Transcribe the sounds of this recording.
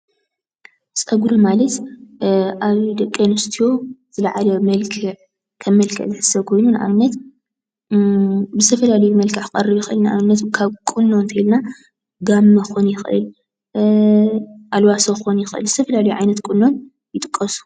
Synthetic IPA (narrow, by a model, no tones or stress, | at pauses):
sʼɐɡuɾomalɐt̪ | ʔaβd̪ɐkʼːɐnɨst̪ʰijo̞zɨlaʕalomɐlkʰɨʕ | kʰɐmːɐlkʰɐ̰ʔzɨħɨ̥sɐkʰo̞jnunʔa̰βnɐt̪ | bɨzɨt̪ʰɐfɐlalɐjumɐlkʰɨʕakʼɐrːɨβjɪxʔɨlnɨʔa̰mnɐt̪kʰaβkʼɨnːo̞nt̪ʰɐilna | ɡamːɐonjɪxʔɨ̰l | ʔalwasoxonjɪxʔɨ̰lzɨt̪ʰɐfɐlalɐjuʕajnɐt̪kʼɨnːo̞n | jɪt̪ʼɨkʼːɐsu̥